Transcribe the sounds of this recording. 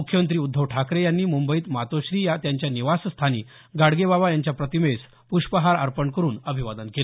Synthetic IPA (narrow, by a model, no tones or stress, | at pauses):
mukʰjəmənt̪ɾiːud̪ʱːəʋʈʰakɾejanːiːmumbəiːt̪mat̪oɕɾiːjat̪jaɲt͡ɕjaniʋasst̪ʰaniː | ɡaɽɡebabajaɲt͡ɕjapɾət̪imes | puɕpəɦaɾa̰ɾpəɳkəɾuːnəbʱiʋad̪ənkel